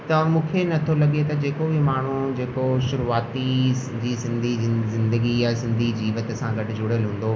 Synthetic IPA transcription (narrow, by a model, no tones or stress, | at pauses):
t̪ɐmũːkʰenɐt̪ʰolɐɠet̪ɐd͡ʑeːkobɪmaːɳ̤ũd͡ʑeːkoʃʊɾuaːt̪i | d͡ʑiːsɪ̃nd̪ʱizɪ̃nd̪əɡijasɪ̃nd̪ʱid͡ʑiːʋət̪sãɡʱɐʈɪ̆d͡ʑʊɽ̤əlɦũːn̆d̪o